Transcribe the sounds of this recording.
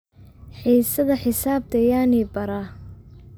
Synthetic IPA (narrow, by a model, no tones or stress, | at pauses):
ħiːsɐðɐħɪsaːb̚t̪ʰɐjaːniːbɐɾa